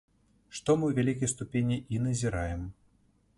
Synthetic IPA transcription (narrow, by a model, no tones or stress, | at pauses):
ʂt̪ɔmɨwvʲalʲikɐjst̪upʲenʲiʔinɐzʲiɾajɛm